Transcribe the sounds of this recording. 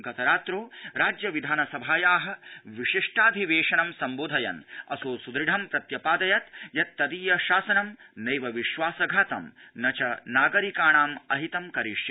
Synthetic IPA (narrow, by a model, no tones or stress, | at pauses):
ɡɐt̪ɐɾaːt̪ɾoːɾaːd͡ʒjɐʋid̪ʱaːnɐsɐbʱaːjaːɦɐ̆ʋiʂiʂʈaːd̪ʱiʋeːʂɐnɐmsɐmboːd̪ʱɐjɐ̰nɐ̰soːsud̪ɾiɖʱɐmpɾɐt̪jɐpaːd̪ɐjɐt̪jɐt̪ːɐd̪iːjɐʃaːsɐnɐmnɐjʋɐʋiʃʋaːsɐɡʱaːt̪ɐ̰mnɐt͡ʃɐnaːɡɐɾikaːɳaːmɐɦit̪ɐmkɐɾiʃjɐ